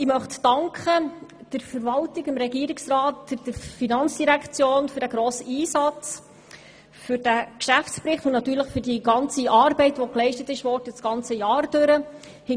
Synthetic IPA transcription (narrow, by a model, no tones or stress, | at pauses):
ɪmœχtdɑŋkχə | d̥əɾfəɾvɑltɪɡɪmɾɛɡiːɾɪksrɑːtfɪd̥əɾfinɑnt͡sd̥iɾækt͡sjoːnfɵɾd̥æɡ̥ɾoːsəiːsɑt͡s | fʏɾd̥ækʃæft͡spɾɪχt̪ʊnnɑtyːɾləχfʏɾdiɡɑnt͡siʔɑːrbɛɪtʋɔklɛɪʃtətɪʃʋɔːrdət͡sɡ̥ɑnt͡səjɑːrd̥øɾə | hɪ